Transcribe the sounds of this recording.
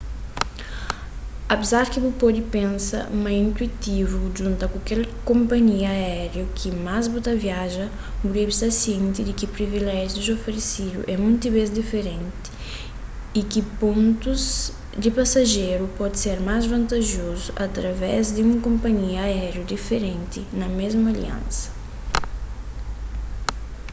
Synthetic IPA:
ɐpezaɾkibupod̪ipẽnsɐ̰maĩnt̪uit̪ivuʒũnt̪ɐkukɛlkõmpɐɲiɐaɛɾjukʰimazbut̪ɐviaʒɐ | buɾebist̪asiẽnt̪id̪ɪkipɾivilɛʒiud̪zofeɾesid̪ṵʔɛmũnt̪iβezd̪ifeɾẽnt̪i̥ | ikipõnt̪uz | d̪ipasaʒeɾupɔd̪seɾmazvɐ̃nt̪aʒozuʔat̪ɾɐvɛzd̪iũŋkõmpɐɲiɐːɛɾjud̪ifeɾẽnt̪inɐmezmɐalḭã̰nsɐ̥

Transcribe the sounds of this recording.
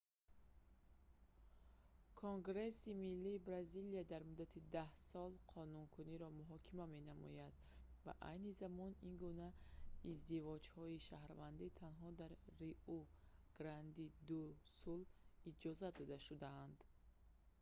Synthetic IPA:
kʰoŋɡɾe̞similːiːbɾaziliad̪aɾmud̪at̪ʰid̪ahsɔlˠqʰɔnuŋkʰuniɾɔmuɦɔkʰimame̞namɔ̰jad̪ | va̰ʔa̰jnizamɔninɡunaizd̪ivɔd͡ʒhɔiʃahɾvand̪it̪ʰanɦɔd̪aɾːiʔuɡ̥ɾand̪id̪usulid͡ʒɔzad̪ɔd̪aʃud̪aːnd̪

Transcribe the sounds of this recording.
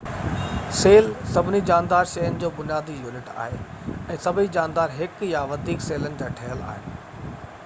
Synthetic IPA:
seːlsɐbʱɪnid͡ʑaːnd̪aːɾʃɐjənɪ̆d͡ʑoːbʊnijaːd̪ijuːnɪʈa̰ːɦeɛ̃ːsɐbʱɪnid͡ʑaːnd̪aːɾɦɪkjaʋɐd̪ʱiːkseːlənɪ̆d͡ʑaːʈʰɐɦəla̰ːɦḛː

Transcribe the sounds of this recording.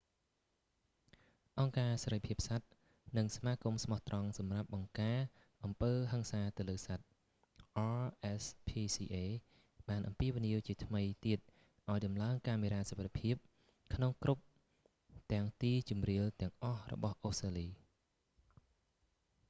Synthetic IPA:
ʔɑŋkaːsaɾəjpʰiəp̚sat̪̚ | nɨŋsamaːkumsmɑht̪rɑŋsɑmrap̚ɓɑŋkaː | ʔɑmpəːɦəŋsaːt̪ɨwləːsat̪̚ | ʔɑːʔɛspʰiːsiːʔeː | ɓaːnʔɑmpiəʋiniəwt͡ɕiət̪ʰməjt̪iət̪̚ | ʔaɔjɗɑmlaəŋkaːmiɾaːsəwʋat̪ʰepʰiəp̚ | kʰnoŋkrup̚ | t̪ɛ̆əŋt̪iːt͡ɕumriəlt̪ɛ̆əŋʔɑhrɔ̰ɓɑhʔost̪raːliː

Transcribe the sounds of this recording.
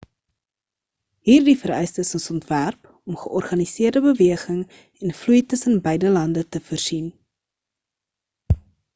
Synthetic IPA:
ɦiːrdifəɾœ̰jstəsəsɔntværp | ɔmχəʔɔrχɐnisiərdəbəviəχəŋ | ɛnflujtəsənbəjdəlɐndətəfərz̥in

